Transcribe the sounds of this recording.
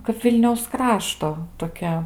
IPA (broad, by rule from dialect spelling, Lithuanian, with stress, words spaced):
kɐp ˈʋʲɪlʲnʲɛʊs ˈkrɑːʃtoː toːˈkʲɛ